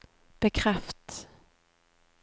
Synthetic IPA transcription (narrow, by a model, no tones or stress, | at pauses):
b̥ɛkʰɾɛft̪